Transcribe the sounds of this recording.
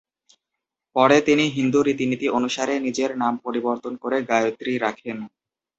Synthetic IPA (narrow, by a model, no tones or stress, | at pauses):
pɔɾet̪iniɦind̪uɾit̪init̪iʔonuʃaɾenid͡ʑeɾnampoɾiboɾt̪onkoɾeɡajot̪ːɾiɾakʰen